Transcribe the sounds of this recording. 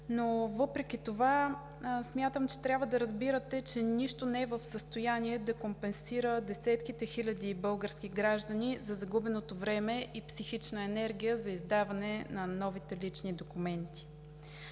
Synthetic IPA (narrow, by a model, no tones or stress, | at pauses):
novɤpɾɛkʲit̪ova | smʲjat̪əmt͡ʃɛ̥t̪ɾʲabvəd̪ɐɾəzbiɾət̪ɛt͡ʃɛniʃt̪onɛɛvəfsəst̪ojaniɛd̪ɐkompɛnsiɾəd̪ɛsɛt̪kit̪ɛxilʲɐd̪ibɤlˠɡəɾskʲiɡɾaʒd̪ɐnizɐzɐɡubɛnot̪ovɾɛmɛʔipsixit͡ʃnəɛnɛɾɡʲijəzɐizd̪avɐnɛnɐnɔvit̪ɛlit͡ʃnid̪okumɛnt̪i̥